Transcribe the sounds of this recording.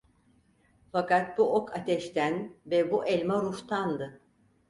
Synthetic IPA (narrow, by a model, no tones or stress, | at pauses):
fakat̪̚buokʰat̪ʰɛʃt̪ʰænvɛbuʔɛlʲmaɾuft̪ʰand̪ɯ